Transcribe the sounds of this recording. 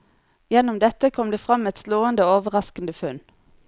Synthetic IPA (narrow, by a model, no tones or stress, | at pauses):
jɛnʊmd̪ɛt̪əkʰɔmd̪eːfʁɑmɛt̪sloːənd̪əoːʋəʁɑskn̩d̪əfʉn